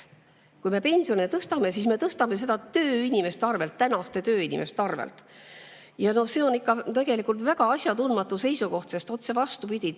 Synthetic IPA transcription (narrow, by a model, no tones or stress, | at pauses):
kujme̞pe̞nʲsio̞net̪ɤst̪ɑme̞sisme̞t̪ɤst̪ɑme̞se̞d̪̥ɑt̪ø̞ːinʲime̞st̪eɑrve̞lt̪ːænɑst̪e̞t̪ø̞ːinʲḭmʔe̞st̪eɑrvḛlt̪ | jɑno̞se̞o̞nikːˑɑt̪e̞ɡ̥e̞likult̪væɡ̥ɑɑsʲjɑt̪unmɑt̪ːuse̞jsuko̞ht̪se̞st̪o̞t̪se̞vɑst̪upid̪ʲi